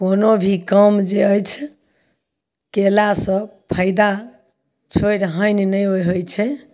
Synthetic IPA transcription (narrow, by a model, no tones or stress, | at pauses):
konobʱikəmd͡ʒeəjt͡ʃʰ | kelasə̃pʰəɪd̪a | t͡ʃʰojɾɦəjnnəjojɦojt͡ʃʰɛ